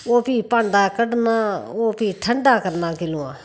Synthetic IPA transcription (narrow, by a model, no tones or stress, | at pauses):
oːpiːpãːɳɖaːkəɖnaːoːpiːʈʰəɳɖaːkəɾnaːkɪlũːã̰ː